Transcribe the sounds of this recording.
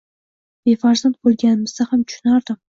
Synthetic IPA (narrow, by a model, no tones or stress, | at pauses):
b̥efaɾzant̪̚bolˠɡʲanɪmɨzd̪ahamt̪ʰʊ̥ʃʊnaɾd̪ɨm